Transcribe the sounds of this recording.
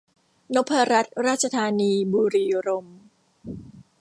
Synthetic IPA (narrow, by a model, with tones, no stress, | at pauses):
no˦˥pʰːa˧ɾa˦˥t̪̚ɾaː˥˩t̪̚t͡ɕʰa˧t̪ʰaː˧niː˧buː˧ɾiː˧ɾo˧m